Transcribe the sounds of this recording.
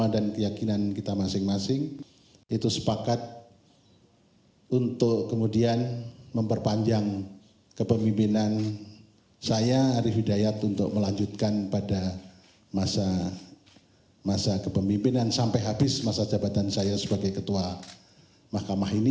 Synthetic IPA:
adankəjakinankit̪amasɪŋmasɪŋ | it̪usə̥pakat̪̚ | unt̪ʊkkəmudianməmpərpaɲd͡ʒaŋ | kəpəmbimpinan | sajaːɾiɦidajat̪unt̪ʊ̰k̚məlaɲd͡ʒut̪̚kanpada | masa | masakəpəmbimpinansampajɦabɪsmasad͡ʒabat̪ansajasəbaɡajkət̪ua | mahkamahini

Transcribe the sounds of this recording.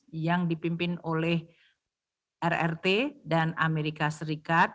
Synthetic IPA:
jaŋdipimpɪnolɛh | ʔɛrɛ̰rt̪edanameɾikasəɾikat̪̚

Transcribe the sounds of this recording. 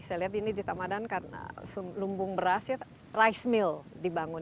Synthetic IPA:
sajaliɦat̪̬̚inid͡ʒit̪amadankana̰sulumbʊŋbəɾasja | raismɪl | dibaŋʊn

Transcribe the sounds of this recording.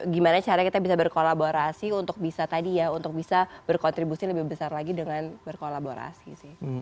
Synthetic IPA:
ɡimanat͡ʃaɾakit̪abisabərkolaboɾasiunt̪ʊk̚bisat̪adijaunt̪ʊk̚bisabərkɔnt̪ɾibusiləbɪhbəsarlaɡidəŋanbərkolaboɾa̰sḭsɪh

